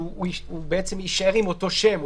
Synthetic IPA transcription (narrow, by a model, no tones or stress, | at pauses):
ubeet͡semiʃaeʁimot̪o̞ʃe̞mu